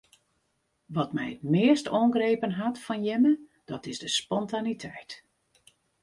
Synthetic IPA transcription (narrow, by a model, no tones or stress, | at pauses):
ʋɔtmɛjətmɪəstoːŋɡrejpənɦatfɔnjɪməd̥ɔtɪzdəspɔntanitʰɛjt